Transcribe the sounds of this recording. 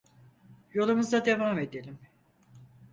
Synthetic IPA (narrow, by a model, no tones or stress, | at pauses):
jolˠumuzd̪ad̪e̞vaːmed̪elʲim